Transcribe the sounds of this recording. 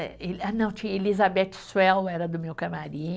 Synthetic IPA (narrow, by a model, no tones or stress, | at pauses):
elanɐ̃w̃t͡ʃĩɲɐelizabɛt͡ʃɪ̥swɛlɛɾɐd̪ʊmewkɐmaɾĩɲ